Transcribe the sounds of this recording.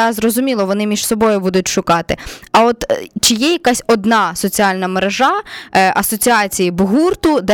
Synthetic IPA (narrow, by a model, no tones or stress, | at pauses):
ɑzrɔzʊmʲilˠɔʋɔnɪmʲiʃsɔbɔjʊbud̪ʊtʲʃʊkɑt̪ɪɐɔt̪t͡ʃɪjɛjɐkɑsʲɔd̪nɑsɔt͡sʲiɑlʲnɐmeɾeʒɑʔɐsɔt͡sʲiɑt͡sʲijibʊɦurt̪ʊd̪ɛ